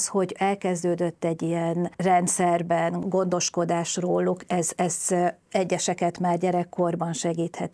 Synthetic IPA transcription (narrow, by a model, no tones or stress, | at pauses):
sho̞ɟɛlkɛzd̪øːd̪øt̪ːɛɟːijɛnrɛnt̪sɛrbɛnɡo̞nd̪o̞ʃko̞d̪aːʃroːlukɛzɛzɛɟːɛʃɛkɛt̪maːrɟɛɾɛkːo̞rbɒnʃɛɡiːt̪hɛt̪